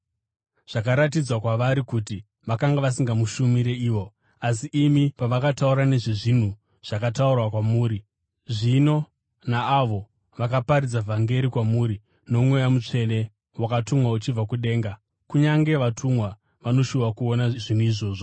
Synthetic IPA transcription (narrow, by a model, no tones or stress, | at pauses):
ʐ̥akaɾat̬id͡zwakwaʋaɾikuti | ʋakaŋɡaʋas̬iŋɡamuʃumiɾe̞iːʋo̞ | asiʔːmipaʋakatauɾane̞ʐiʐin̤u | ʐ̥akataurwakwamuːɾi | ʐino̞ | naːʋo̞ | ʋakapaɾid͡zavʱaŋɡe̞ɾikwamuːɾi | no̞mwe̞jamut͡ʂe̞ne̞ | wakatumwaut͡ʃib͡vakuɗe̞ːŋɡa | kuɲaŋɡe̞ʋatʰumwa | ʋano̞ʃuʋakuonaʐin̤uiʐo̞ːʐo